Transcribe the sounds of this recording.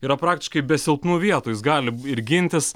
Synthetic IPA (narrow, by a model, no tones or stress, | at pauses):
iːɾɐpɾɑːk̚t̪ʲɪʃkɐɪbʲɛsʲɪlˠpnuːʋʲiɛt̪oːjɪsɡɑːlʲɪɪɾɡʲɪnʲt̪ʲɪs